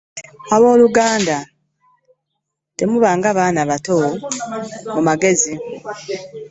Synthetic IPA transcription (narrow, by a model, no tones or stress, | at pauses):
aβo̞ːluɡaːnda | te̞muβaːŋɡaβaːnaβato | mumaɡe̞zi